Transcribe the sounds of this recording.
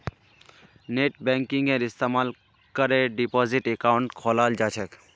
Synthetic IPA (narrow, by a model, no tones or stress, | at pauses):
neʈ̚bɛ̃ŋkĩŋɡẽɾist̪amal | kəɾeɖipɔziʈekaʊɳʈkʰolald͡ʒat͡ʃʰɛk